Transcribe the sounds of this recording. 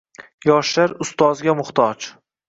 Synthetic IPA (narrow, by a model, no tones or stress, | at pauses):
jɒʃlaɾʊst̪ɒzɡʲamʊχt̪ʰɒd͡ʒ